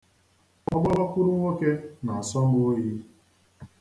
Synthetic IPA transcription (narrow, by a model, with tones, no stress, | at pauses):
ɔ˦ɡ͡ba˦ba˦kʷu˦ɾʊ˦ŋʷo˦ke˦na˨a˨sɔ˦o˦ji˦